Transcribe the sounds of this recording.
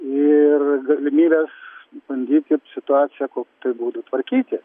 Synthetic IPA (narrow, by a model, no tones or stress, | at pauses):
ɪrɡɐlʲɪmʲiːbʲeːsbɐnʲd̪ʲiːt̪ʲɪsʲɪt̪ʊɑːt̪sʲɪjɛkoːkʲt̪ɐɪbuːd̪ut̪ʋɐɾʲkʲiːt̪ʲɪ